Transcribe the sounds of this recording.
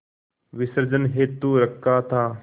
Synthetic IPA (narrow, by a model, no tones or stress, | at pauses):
ʋɪsəɾd͡ʒənɦeːt̪ːuɾəkːaːt̪ʰaː